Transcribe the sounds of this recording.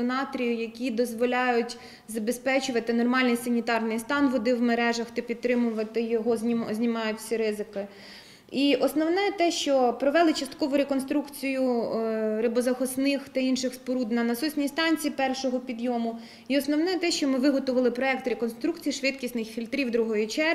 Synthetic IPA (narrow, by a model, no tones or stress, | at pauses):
ɔnɑt̪ɾʲijʊjɐkʲid̪ɔzʋɔlʲɑjʊtʲ | zɐbespɛt͡ʃʊʋɐt̪ɪnɔrmɑlʲnʲijsɐnʲit̪ɑrnɪjst̪ɑnʋɔd̪ɪwmeɾɛʒɐxt̪ɐpʲit̪̚ːɾɪmʊʋɐt̪ɪjɔɦɔzʲzʲnʲimɑjʊtʲsʲiɾɪzɪkɪ | iʔɔsnɔwnɛt̪ɛʃt͡ʃɔpɾɔʋɛlˠɪt͡ʃɐst̪̚kɔʋʊɾekɔnst̪ɾukt͡sʲijʊ | ɾɪbɔzɐxɔsnɪxt̪ɐinʃɪxspɔɾud̪nɐnɐsusʲnʲijst̪ɑnʲt͡sʲiːpɛrʃɔɦɔpʲid̪jɔmʊ | iɔsnɔwnɛt̪ɛʃt͡ʃɔmɪʋɪɦɔt̪ʊʋɐlˠɪpɾɔɛk̚t̪ɾekɔnst̪ɾukt͡sʲijiʃʋɪt̪kʲisʲnɪxfʲilʲt̪ɾʲiwd̪ɾuɦɔjʊt͡ʃɛ